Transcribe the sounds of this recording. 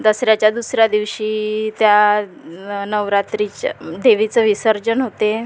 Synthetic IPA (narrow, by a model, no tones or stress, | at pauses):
d̪əsɾjat͡ɕjad̪usɾjad̪iʋɕiːt̪ja | nəʋɾat̪ɾit͡ɕd̪eʋit͡səʋisəɾd͡ʑənɦot̪e